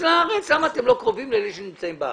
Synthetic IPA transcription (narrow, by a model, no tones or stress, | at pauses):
laaʁet͡sslamaːt̪emlo̞kʁo̞vimleliʃenimt͡saimbea̰